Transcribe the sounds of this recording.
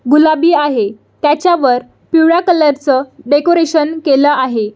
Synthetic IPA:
ɡulabiːaɦe | t̪jat͡ɕjaʋəɾ | pjuɽakələɾt͡səɖekoɾeɕənkeləʔaɦe

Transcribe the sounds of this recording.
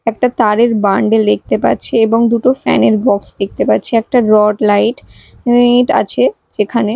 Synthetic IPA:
ɛk̚ʈat̪aɾeɾbaɳɖelek̚t̪epa̰tːt͡ɕʰeeboŋd̪uʈofɛ̰neɾbɔksd̪ek̚t̪epatːt͡ɕʰeɛk̚ʈaɾɔʈlajʈ | ʈa̰t͡ɕʰe | d͡ʑekʰane

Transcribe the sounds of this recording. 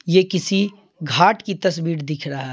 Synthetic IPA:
jekɪsi | ɡʱaːʈkit̪ɐsbiːɾd̪ɪkʰɾaɦa

